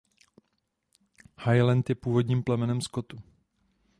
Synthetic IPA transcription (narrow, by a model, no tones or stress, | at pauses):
hajlant̪jɛpuːvo̞dɲiːmplɛmɛnɛmsko̞t̪u